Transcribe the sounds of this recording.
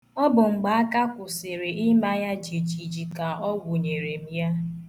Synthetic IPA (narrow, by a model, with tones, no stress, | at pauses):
ɔ˦bʊ˨ŋ͡m̩˨ɡ͡ba˨a˦ka˦kʷʊ˨se˨ɾe˨ɪ˦ma˦ja˦d͡ʒi˨d͡ʒi˨d͡ʒi˨ka˨ɔ˦ɡʷu˨ɲe˨ɾe˨m̩˦ja˦